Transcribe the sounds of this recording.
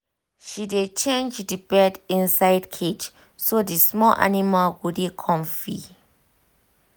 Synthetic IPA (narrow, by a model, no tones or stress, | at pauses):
ʃidet͡ʃẽnd͡ʒdibɛdĩnsajdkʰet͡ʃ | sodismɔlʔa̰nimalɡudikʰɔ̃mfi